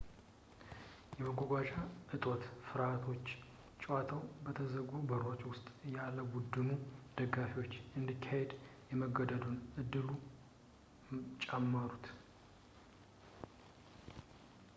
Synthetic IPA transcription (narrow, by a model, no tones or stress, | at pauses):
jɛməɡʷoɡʷaʃaʔɨt̪ʼot̪fɨɾat̪ʰo̞t͡ʃː | t͡ʃʼwat̪ʰəwbət̪ʰəzəɡubəɾot͡ʃʼwʊst̪ʼjalːəɡud̪ːɨmud̪̥əɡafiwo̞t͡ʃːʔɨnd̪ikʰːahed̪jɛməɡəd̪əd̪unʔɨd̪ːɨlu | t͡ʃʼɛmːəɾut̪